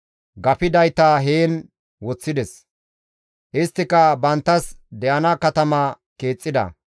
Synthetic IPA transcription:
ɡɐpɪd̪ɐjt̪aːɦeːn | wɔt͡sːɪd̪ɛs | ʔɪst̪ːɪkɐbɐnt̪ːɐsd̪ɛʔɐnɐkɐt̪ɐmɐ | keːt͡sʼːɪd̪ɐ̰

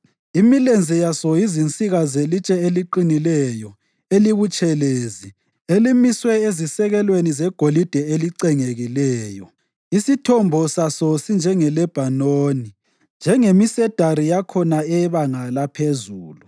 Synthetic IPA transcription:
imilend͡zʱɛjasɔjizint͡sʼiɣazelit͡ʃʼɛeliǃinilɛjɔ | eliβut͡ʃʼɛleːzi | elimiswɛezisɛɣɛlwenizɛɡ̥ʱolid̥ʱɛeliǀɛŋeɣilɛːjɔ | isitʰɔmbʱɔsasɔsind͡ʒʱɛŋɛlɛb̥ʱanoːni | nd͡ʒʱɛŋemisɛd̥ʱaɾijakʰɔnaɛβaŋalapʰezuːlu

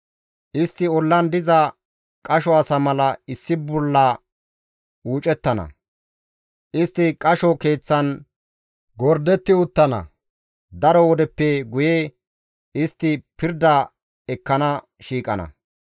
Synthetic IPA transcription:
ʔɪst̪ːɪɔlːɐnd̪ɪzɐ | kʼɐʃɔɐsɐmɐlɐɪsːɪbɔlːɐ | uːt͡ʃʼɛt̪ːɐnɐ̰ | ʔɪst̪ːɪkʼɐʃɔke̞ːt͡sːɐn | ɡɔɾd̪ɛt̪ːɪʊt̪ːɐnɐ̰ | d̪ɐɾɔwɔd̪ɛpːɛɡʊje | ɪst̪ːɪpɪɾd̪ɐ | ɛkːɐnɐ | ʃiːkʼɐnɐ̰

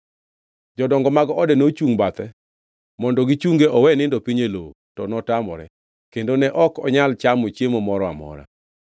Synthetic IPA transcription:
d͡ʒɔdɔŋɡɔmaɡɔɔdɛnot͡ʃuŋbat̪ɛ | mɔndɔɡit͡ʃuŋɡeʔɔwɛnɪndɔpiɲelo | tɔnɔtamɔ̰ɾɛ̰ | kendonɛʔɔkɔɲalt͡ʃamot͡ʃjemomɔɾɔa̰mɔ̰ɾa̰

